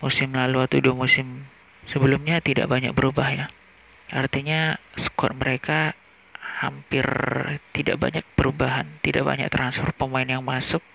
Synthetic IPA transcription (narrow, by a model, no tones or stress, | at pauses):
musɪmlaluat̪uduamusɪm | səbəlʊmɲat̪ida̰ʔbaɲa̰k̚bəɾubahja | art̪iɲasə̥kɔ̰t̪̚məɾeka | ha̰mpɪrt̪idaʔba̰ɲak̚pəɾubaɦant̪ida̰ʔba̰ɲa̰k̚t̪ɾansfɔrt̪̚pəmaɪnjaŋmasʊk̚